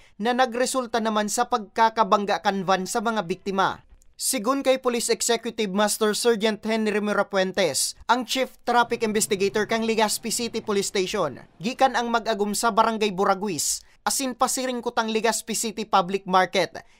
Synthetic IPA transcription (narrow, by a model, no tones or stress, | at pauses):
nɐnɐɡɾɛsult̪ɐnɐmansɐpɐɡ̚kakɐbɐŋɡaʔkɐnvansɐmɐŋabik̚t̪ɪmɐ̰sɪɡʊnkɐjpolisɛksɛkjʊt̪ɪbmast̪ɛɹsɛɹd͡ʒɐnt̪hɛnɪɾɪmɛɾɐpwɛnt̪ɛsʔɐŋt͡ʃift̪ɾapɪkʔɪmbɛst̪ɪɡejt̪oɹkɐŋlɪɡaspɪsit̪ɪpolɪst̪ejʃonɡiːkɐnɐŋmɐɡʔɐɡʊmsɐbɐɾɐŋɡajbʊɾɐɡwis | ʔɐsɪnpɐsɪɾɪŋkʊt̪ɐŋlɪɡaspɪsit̪ɪpablɪk̚maɹkɛt̪̚